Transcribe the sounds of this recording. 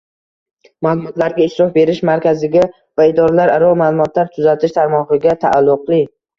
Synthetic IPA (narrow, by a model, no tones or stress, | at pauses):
maːlˠʊmɒt̪laɾɡʲaɪʃt̪ɾɒfbe̞ɾɪʃmaɾkʲʰazɪɡʲa | vaɪd̪ɒɾalaɾaɾɒlˠmaːlˠʊmɒt̪laɾt̪ʰʊzat̪ʰɪʃt̪ʰaɾmɒʁɨɡʲat̪ʰa̰ʔːlˠːʊqlˠɪ